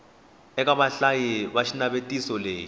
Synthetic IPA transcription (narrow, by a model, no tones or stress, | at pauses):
ɛk̬ʼaɓaɬajiɓaʃinaɓetʼisɔleːji